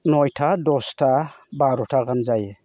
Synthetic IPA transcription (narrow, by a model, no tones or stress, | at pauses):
nɔjtʰadɔstʰa | baɾɔtʰaɡamzaje